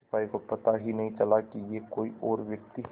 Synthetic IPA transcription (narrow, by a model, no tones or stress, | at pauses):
paːikopɐt̪aɦinɐɦĩt͡ʃɐlakijekoːiʔɔːɾʋjɐk̚t̪i